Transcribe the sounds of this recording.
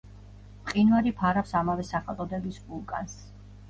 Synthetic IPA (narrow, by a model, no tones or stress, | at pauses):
pʼqʼinvaɾipʰaɾapsamavɛsaχɛlˠt̪ʼɔd̪ɛbisvulˠkʼa̰ns